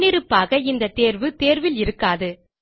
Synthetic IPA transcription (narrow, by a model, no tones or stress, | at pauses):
nɪɾɯpːaːɣɐɪnd̪ɐt̪eːɾʋɯt̪eːɾʋɪlɪɾɯkːaːðɯ